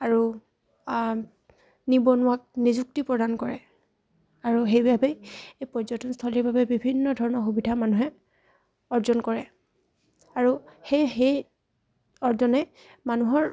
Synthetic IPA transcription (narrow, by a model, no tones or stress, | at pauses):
aɹu | nibɔnʊwak̚nizuk̚tipɹɔdankɔɹɛ | aɹuɦejbabɛejpɔzɔtɔnst̪ʰɔliɹbabɛbibʱinːɔdʱɔɹɔnɔɹxubidʱamanuɦɛ | ɔɹzɔnkɔɹɛ | aɹuhejɦej | ɔɹzɔnɛ | manuɦɔɹ